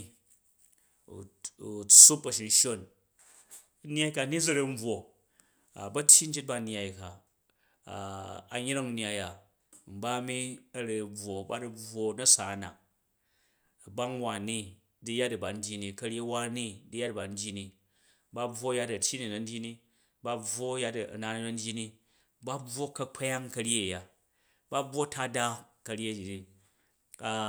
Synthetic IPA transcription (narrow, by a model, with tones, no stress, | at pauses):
t͡su˦pɐ˨ʃi˨˧n˦ʃo˦n˦ | n˦a˦i˦ka˧ni˦d͡zɐ˦ɾe˦m̩˦bwo˨ | a̰˨bɐ˦tʲʰji˦n̩˦t͡ʃe˦t̚ba˧n˦a˨i˨ka̰˨ | a˨ɲ˦ɾa˦ŋ˦nja˧˨ja˨ | m̩˨ba˦mi˦ɐ˦ɾe˧˨b͡vwo˨ba˦du˦b͡vwo˧nɐ˦sa˨na̰˨k̚ | ɐ˨ba˦ŋwa˨ni˦ | di˦ja˦tɐ˨ba˨n̩˦dʲi˦ni˨kɐ˧ɾʲe˦wa˦ni˦di˦ja˦tba˨n̩˦dʲji˦ni˧ | ba˦b͡vwo˦ja˦tɐ˨tʲi˦ni˨nɐ˨n̩˦dʲi˦ni˧ | ba˧b͡vwo˦ja˦tna˨n˦nɐ˧n̩˦dʲi˦ni˧ | ba˦b͡vwo˦kɐ˦k͡pʰa˦ja˦ŋkɐ˧ɾʲje˦˨ja˨ | ba˦bwo˦ta˦da˦kɐ˧ɾʲje˦˨i˨ni˨ | a˨